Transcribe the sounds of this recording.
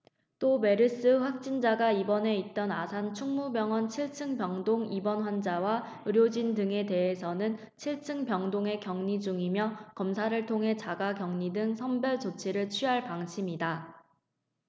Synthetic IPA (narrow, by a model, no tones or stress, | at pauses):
t͈ome̞ɾɯs͈ɯɸwak̚t͡ɕ͈ind͡ʑaɡaibʌne̞it̚t͈ʌnasʰant͡ɕʰuŋmubjʌŋwʌnt͡ɕʰiɭt͡ɕʰɯŋpjʌŋdoŋibʌnɸwand͡ʑawa | ɯɾjod͡ʑindɯŋe̞te̞ɦesʰʌnɯn | t͡ɕʰiɭt͡ɕʰɯŋpjʌŋdoŋe̞kjʌŋɲid͡ʑuŋimjʌkʌmsʰaɾɯɭtʰoŋɦe̞t͡ɕaɡakjʌŋɲidɯŋsʰʌmbjʌɭt͡ɕot͡ɕʰiɾɯɭt͡ɕʰɥiɦaɭpaŋɕʰimida